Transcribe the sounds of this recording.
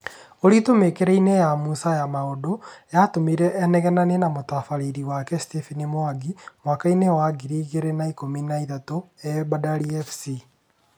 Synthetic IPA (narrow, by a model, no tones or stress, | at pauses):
oɾitomekeɾɛinejamusajamaodojatomiɾɛʔɛnɛɣɛnanenamotafaɾeɾiwakɛstefinimoaɡimwakainewaɡiɾiːɣeɾenaikominaiðatoɛbadaɾiɛfsi